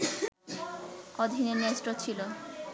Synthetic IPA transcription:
ɔd̪ʱineɾnesʈot͡ɕʰilo

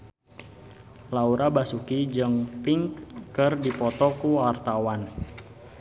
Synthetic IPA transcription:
lauɾabasukid͡ʒɨŋpiŋkːɨrdipɔt̪ɔkuart̪awan

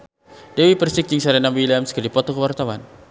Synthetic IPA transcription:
dewipərsik̚d͡ʒiŋsaɾɛnambiliamskərdipɔt̪ɔkəwart̪awan

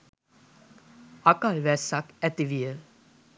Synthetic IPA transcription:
akalʋɛsakæt̪iʋiə

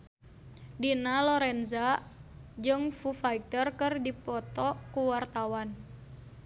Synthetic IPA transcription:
dinalɔɾɛnza | d͡ʒɨŋfufaikt̪ərkɨrdipɔt̪ɔkuwart̪awan

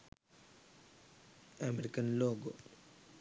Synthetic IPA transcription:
ɐmeɾikːɐnloːɡo

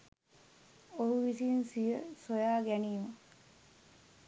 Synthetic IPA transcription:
oɦuʋisinsijəsojaːɡæniːmə

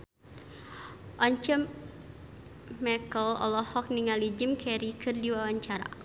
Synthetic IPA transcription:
ʔɔɲt͡ʃɛ | mɛkəlɔ̰lɔhɔk̚niŋalid͡ʒimkʰɛɾikʰɨrdiwawaɲt͡ʃaɾa̰

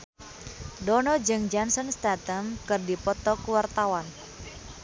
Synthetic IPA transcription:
dɔnɔd͡ʒɨŋd͡ʒansɔnst̪at̪əmkɨrdipɔt̪ɔkuwart̪awan

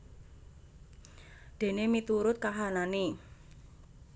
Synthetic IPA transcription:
d̪̥e̤nemit̪uɾʊt̪̚kaɦanane

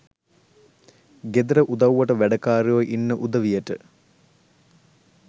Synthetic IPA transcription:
ɡed̪ɐɾəʔud̪ɐwʋɐʈəʋæɖɐkaːɾejoʔinːəʔud̪ɐʋijəʈə

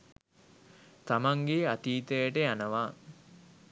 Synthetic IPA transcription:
t̪amaŋɡeat̪iːt̪əjəʈəjanəʋaː

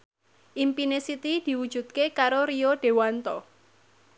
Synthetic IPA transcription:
ʔimpinesit̪id̪̥i̤wud̥ʒ̥ṳt̪̚kekaɾoɾioɖ̥e̤want̪ɔ

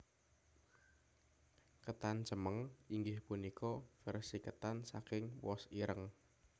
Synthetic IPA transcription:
kət̪ant͡ʃəməŋiŋɡɪhpunikʰɔfɛrsikət̪ansa̰kɪŋwɔ̰siɾʔəŋ

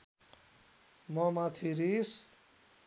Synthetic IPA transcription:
mɔmat̪ʰiɾis

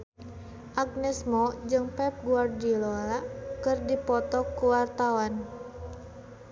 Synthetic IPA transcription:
ʔaɡ̚nɛsmɔd͡ʒɨŋpɛp̚ɡuardilɔlaʔkɨrdipɔt̪ɔkuwart̪awan

